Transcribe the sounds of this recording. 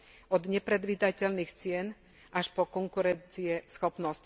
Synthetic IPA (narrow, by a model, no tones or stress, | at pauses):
ɔd̪ɲɛpɾɛd̪ʋiːd̪acɛlniːxt͡sɪɛn | ʔaʃpɔkɔŋkuɾɛnt͡siɛsxɔpnɔsc